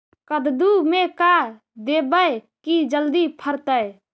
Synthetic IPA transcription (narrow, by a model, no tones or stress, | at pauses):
kəd̪d̪umeka | d̪ebəj | kid͡ʒəld̪ipʰəɾt̪əj